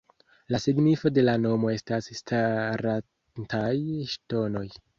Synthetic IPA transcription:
lasiɡnifo̞de̞lano̞mo̞e̞stasstaɾa | ntajʃto̞no̞j

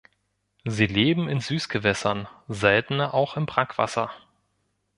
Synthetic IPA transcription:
ziːleːbm̩ɪnzyːsɡ̥əvɛsɐnzɛltn̩ɐʔaʊxɪmbʁakv̥a̰sɐ

